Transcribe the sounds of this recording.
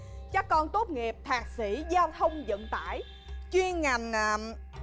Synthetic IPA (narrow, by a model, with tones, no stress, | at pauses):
t͡ɕaː˦˥kːɔ˧nt̪o˦˥t̚ŋi˨˩əp̚t̪ʰaː˨˩k̚si˧˩˦zaː˧wt̪ʰə˧wŋ͡mzə̰˧˨nt̪a̰ː˧˩j | t͡ɕwi˧ənŋa˨˩jŋ̟ʔaː˨˩